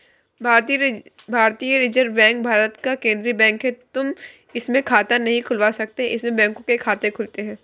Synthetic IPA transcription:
bʱaːɾt̪ijɾɪd͡ʒəɾbɛ̃ːŋk̚bʱaːɾət̪kakẽːnd̪ɾibɛ̃ːŋkɦẽt̪ʊm | ɪsmẽkʰaːt̪anɐɦĩkʰʊlʋasɐk̚t̪eɦɛ̃ʔɪsmẽbɛ̃ːŋkõkekʰaːt̪ẽkʰʊlt̪eɦɛ̃ː

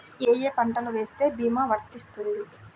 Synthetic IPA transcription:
eːjeːpɐɳʈɐluʋe̞ːst̪e̞ːbʱiːmaːʋɐɾt̪ist̪und̪i

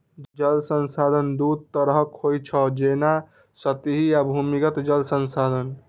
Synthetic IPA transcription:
d͡ʒəlsənsad̪ʱənd̪ud̪̚t̪əɾɦəkʰojt͡ʃʰəd͡ʒena | sət̪iɦijabʱumikət̪d͡ʒəlsənsad̪ʱən

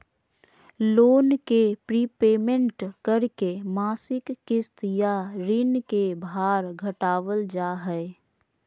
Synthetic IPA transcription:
loːnkepɾiːpeːmə̃ɳʈkəɾkemaːsɪkːɪst̪jaɾɪnkebʱaːɾɡʱəʈaːʋəld͡ʒaːɦɛɪ

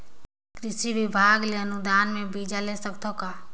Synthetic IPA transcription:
kɾɪsibibʱaːɡleənʊd̪aːnmẽbiːd͡ʒalesəkt̪okaː

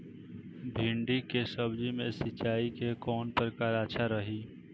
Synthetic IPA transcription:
bʱĩɳɖikesəbd͡ʒimẽsɪt͡ʃaːikekɔːnpəɾkaːɾaːʃʰaɾəɦiː

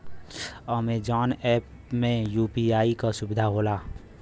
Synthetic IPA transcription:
ɔmed͡ʒɔːnɛːp | mẽjuːpiaːikasʊbɪd̪ʱaɦoːlaː

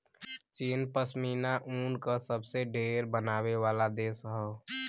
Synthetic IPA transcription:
t͡ʃiːnpəsmiːnaʔuːnkasəbseɖʱeːɾbənaːweʋaːlad̪eːsɦɛo

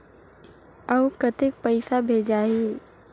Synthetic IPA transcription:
ɐukɐt̪ɪk̚pəɪsabʱeːd͡ʒaːiː

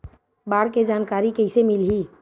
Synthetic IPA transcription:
baːɽked͡ʒaːnkaːɾikɛɦsemɪlɦi

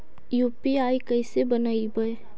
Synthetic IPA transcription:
juːpiaːikəɪsebənaːibəe

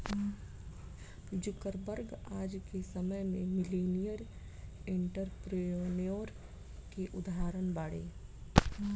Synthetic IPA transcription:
d͡ʒʊkəɾbəɾɡaːd͡ʒkesəməjmẽmɪleːnijəɾ | ɪ̃ɳʈəɾpɾeonjoːɾ | keʔʊd̪aːɾənbaːɽḛː

